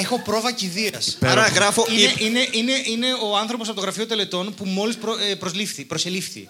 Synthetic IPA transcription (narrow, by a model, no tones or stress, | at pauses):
e̞xo̞pɾo̞vɐciðiɐspeɐɾɐɣɾɐfoiine̞ʔine̞ʔine̞oɐnθɾo̞p̬osɐft̪oɣɾɐfiot̪ele̞t̪o̞npumo̞lispɾoepɾo̞zlifθipɾoselifθḭ